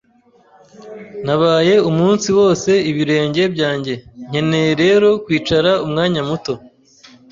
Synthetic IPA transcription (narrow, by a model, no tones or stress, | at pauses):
naβaːje̞umuːnsiwo̞ːse̞iβiɾe̞ːɲɟe̞bɟaːɲɟe̞ɲ̥e̞ne̞jɾe̞ːɾo̞kwiːt͡ʃaɾaumŋaːɲamuto̞